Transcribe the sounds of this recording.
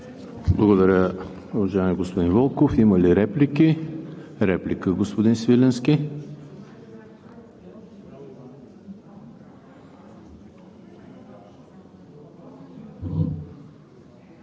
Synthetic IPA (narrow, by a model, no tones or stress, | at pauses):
blˠəɡod̪ɐɾʲə | ovɐʒajɛmʲiɛɡospod̪involˠkofiməliɾɛpliki | ɾɛplikəɡospod̪insvilɛnski